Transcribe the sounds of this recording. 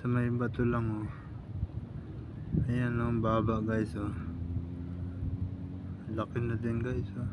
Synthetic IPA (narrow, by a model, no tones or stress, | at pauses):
sɐmɐjmbɐt̪olaŋo | ɐjanoŋbaːbaʔɡajso | lɐkɪnɐd̪ɪnɡajso